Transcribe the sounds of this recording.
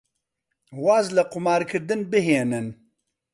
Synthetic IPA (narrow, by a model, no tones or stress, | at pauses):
waːzlɐqʊmɑːɾkʰɨɾd̪ɨnbɨɦeːnɨn